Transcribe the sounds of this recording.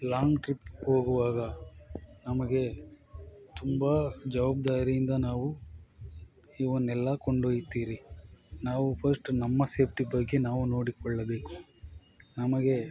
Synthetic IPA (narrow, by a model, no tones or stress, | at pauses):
laːŋɡʈɾipːho̞ːɡuʋaːɡɐ | nɐmɐɡe̞ | t̪umbɐd͡ʒɐʋaːb̚d̪aːɾijind̪ɐnaːʋu | iːonːɛlːɐkoɳɖoːjit̪ːiːɾinaːʋupʰɐɾsʈnɐmːɐse̞ːp̚ʰʈibɐɡːe̞naːʋuno̞ːɽikɔɭːɐbe̞ːku̥ | nɐmɐɡe̞